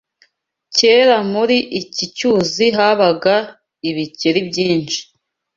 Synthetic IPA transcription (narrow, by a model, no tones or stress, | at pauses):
ceːɾamuɾiʔicicuːziɦaβaɡa | iβiceɾibɟiːnʃi̥